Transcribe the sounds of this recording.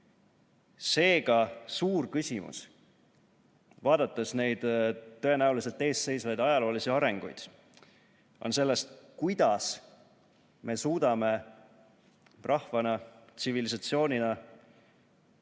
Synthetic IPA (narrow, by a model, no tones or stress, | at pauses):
se̞ːɡɑsuːrkysʲimṵs | vɑːd̪̥ɑt̪ːˑesne̞jd̪̥t̪ːø̞e̞næulise̞lt̪ːˑe̞ːsse̞jsvɑjd̪ɑjɑlo̞ːlisiɑɾe̞ŋɡ̥ṵjd̪̥ | ʔo̞̰nse̞lːe̞st̪kujd̪̥ɑs | me̞suːd̪ɑme̞ | rʔɑhvɑnɑt̪sivilisɑt̪sio̞ːnʲinɑ